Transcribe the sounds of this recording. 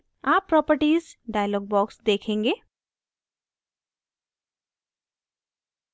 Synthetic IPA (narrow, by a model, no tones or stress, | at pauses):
aːpːɾɔːpəɾʈiːzɖaːjəlɔːɡ̚bɔːksd̪eːkʰẽːŋɡeː